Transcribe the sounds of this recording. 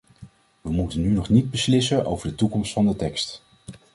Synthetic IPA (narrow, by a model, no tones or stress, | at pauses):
ʋəmutənːynɔχnid̚bəslɪsənʔo̰wvəɹdətukɔmstfɑndətɛkst